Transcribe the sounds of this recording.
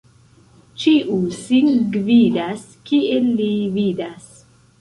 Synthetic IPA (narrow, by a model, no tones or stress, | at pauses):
t͡ʃiʔusinɡvidas | kielːividas